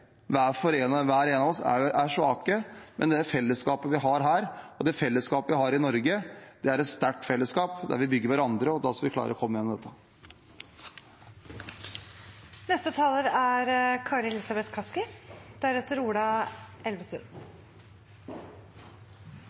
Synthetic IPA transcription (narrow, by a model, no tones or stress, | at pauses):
ʋæːfɔɾeːnəʋæːɾeːnɑʋɔsæ̰ʔæʂʋɑːkəmʔɛ̰nd̪ɛæfɛlːəskɑːpəʋɪɦɑɾɦæːɾɔd̪ɛfɛlːəskɑːpəʋɪhɑːɾɪnɔɾɡəd̪ɛæɾɛt̪st̪æʈːfɛlːəskɑːpd̪æ̰ɾʋɪbʏɡːəɾʋæɾɑnd̪ɾəɔd̪ɑ̰skɑʋɪkʰlɑ̰ːɾəɾɔkʰɔmːəjɛnːɔmd̪ɛt̪ːə | nɛst̪ət̪ʰɑːləɾæɾkʰɑːɾɛlɪsɑbɛt̪kʰɑskɪd̪̥æɾɛt̪ːəɾuːɖɑɛlʋəsə̰